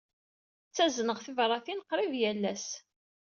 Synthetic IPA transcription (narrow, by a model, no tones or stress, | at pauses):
t͡sːæznəʁθivrˤɑθinqɾˤivjælːæs